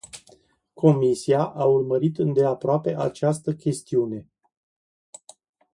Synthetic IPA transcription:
kʰo̞misiaʔaurməɾit̪ɨnd̪e̞apɾoape̞ʔa̰t͡ʃast̪əkʲe̞st̪iune̞

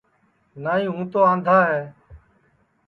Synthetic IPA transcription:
naːĩːɦũːt̪oːãːnd̪ʱaːɦɛː

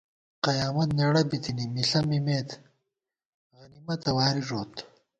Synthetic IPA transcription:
qɐjaːmɐt̪neɽɐbit̪inimiɬɐmimeːt̪ | ɣɐnimɐt̪ɐwaːɾiʐoːt̪

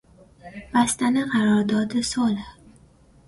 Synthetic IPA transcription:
b̥æst̪æneɢæɾɒːɾd̪ɒːd̪esɒːl

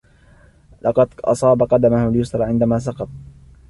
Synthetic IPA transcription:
lʔɑqɑd̪ʔɑ̰sˤɑːbaqɑd̪amahaljʊsɾˤɑʕɪnd̪amaːsɑqɑt̪̚ˤ

